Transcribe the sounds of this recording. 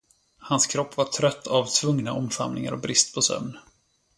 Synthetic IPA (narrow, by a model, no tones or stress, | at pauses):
hanskʰɾɔpːvaʈʰɾœt̪ʰːavt̪ʰvɵŋnaʔɔmfa̰mnɪŋa̰ɾɔbɾɪst̪pʰɔsœ̰mn